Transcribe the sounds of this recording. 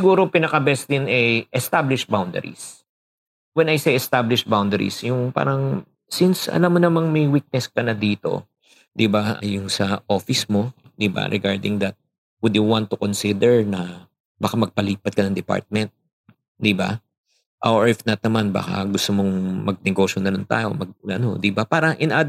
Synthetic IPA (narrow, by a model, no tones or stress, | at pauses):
sɪɡuːɾopɪnɐkɐbɛsd̪ɪnɛʔɛst̪ablɪʃbawnd̪ɛ̰ɾḭs | wɛnɐjsɛjɛst̪ablɪʃbawnd̪ɛɾḭsjʊŋpa̰ːɾɐŋ | sɪnsɐ̰lamːonɐmɐŋmɐjwik̪̚nɛskɐnɐd̪iːt̪o̞̰ | d̪ɪbaʔɐjʊŋsɐʔo̞fɪsmo̞d̪iba̰ɾʔɛ̰ɡaɹd̪ɪ̰ŋd̪ɐt̪̚ | wʊd̪juwant̪ːʊkonsid̪ɛɹnɐ | bɐkamɐɡ̚pɐliːpɐt̪̚kɐnɐŋd̪ɛpa̰ɹt̪̚mɛnt̪̚ | d̪iba̰ | ʔawɹɛfnɐt̪̚nɐmanba̰ːkɐ̰ɡʊst̪omoŋmɐɡ̚nɛɡo̞ʃonɐlɪnt̪a̰ːjo̞mɐɡ̚ɐ̰nod̪ibapaːɾɐʔɪnʔad̪